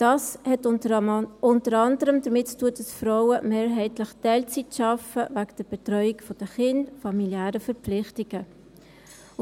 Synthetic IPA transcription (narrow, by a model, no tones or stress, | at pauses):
d̥ɑːshɛt | ʊntəɾɑndəɾəmdəɾmɪttuəd̥ɑsfɾaʊəmeːɾɦɛɪtləχtɛɪlt͡sitʃɑfəvaɡd̥əɾb̥ɛtɾœʏikfɔd̥əχɪndfɑmiljæːɾəfəɾpflɪχtɪɡ̥ə